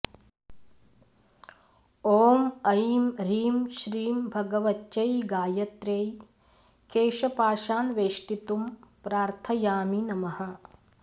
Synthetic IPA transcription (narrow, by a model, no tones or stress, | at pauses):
oːmɐjmɾiːmʃɾiːmbʱɐɡɐʋɐtːt͡ʃɐjɡaːjɐt̪ɾeːj | keːʃɐpaːʃaːnʋeːʂʈit̪umpɾaːɾt̪ʰɐjaːminɐmɐhɐ̆